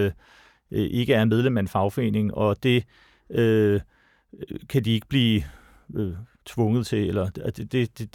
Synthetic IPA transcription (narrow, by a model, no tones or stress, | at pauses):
ʔe̝ɡ̥əæɐnmeð̞ˠlemæenfɑ̈ʊfɒ̽e̝̰ːne̝ŋɒ̽d̥e̝ | ø | kʰæd̥ie̝ɡ̥əb̥liː | øt͡sʰʋɔ̽ŋð̞̩ˠt͡sʰe̝elɐ̥d̥e̝d̥